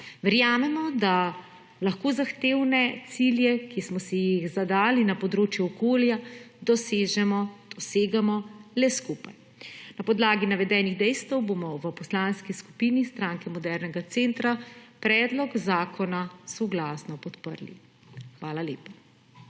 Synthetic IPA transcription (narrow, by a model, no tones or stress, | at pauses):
ʋɛɾjaːmɛmɔd̪a | laxkoːzaxt̪eːwnɛt̪siljɛkismɔsɛjixzad̪aːlinapɔd̪ɾoːt͡ʃjuɔkoːljad̪ɔseːʒɛmɔd̪̥ɔseːɡamɔlɛskupaj | napɔd̪laːɡinaʋɛd̪ɛːniɣd̪ɛjst̪ɛwbomɔʋəpɔslaːnskisku̥piːnist̪ɾaːŋkɛmɔd̪ɛɾnɛɡat̪seːnt̪ɾapɾɛːd̪lɔkzaːkʰɔnasɔɡlasnɔpɔt̪pə̰ɾlḭ | xʋaːlalḛːpa